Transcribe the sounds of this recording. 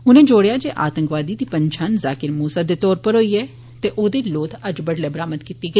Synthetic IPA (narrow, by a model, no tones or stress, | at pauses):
ʊnẽːd͡ʒoːɽjaːd͡ʒeːʔa̰ːt̪ə̃ŋkʋaːd̪iːd̪iːpəɲt͡ʃʰaːnzaːkɪɾmuːsaːd̪eːt̪ɔːɾpəɾɦoːiːɛː | t̪eːʔoːd̪eːloːt̪ʰəd͡ʒbəɽlɛːbəɾaːmət̪kiːt̪iːɡəiː